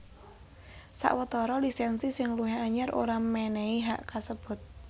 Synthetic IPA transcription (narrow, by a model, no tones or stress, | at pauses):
sa̰ʔwət̪ɔɾɔlisɛnsisɪŋluɦɛaɲaɾo̰ɾamːɛnɛiɦaʔkasəb̥ʊt̪̚